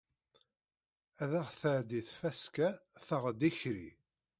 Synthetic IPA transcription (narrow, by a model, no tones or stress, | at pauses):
æðæʁθəʕd̪iθfæskæθəʁd̪içɾḭ